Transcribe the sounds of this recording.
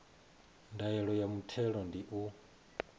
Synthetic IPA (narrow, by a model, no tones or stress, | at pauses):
ndajɛɺɔjamutʰɛɺɔndiʔu